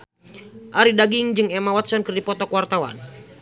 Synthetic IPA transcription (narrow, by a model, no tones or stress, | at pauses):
ʔaɾidaɡiŋd͡ʒɨŋɛmawat̪sɔnkɨrdipɔt̪ɔkuwart̪awa̰n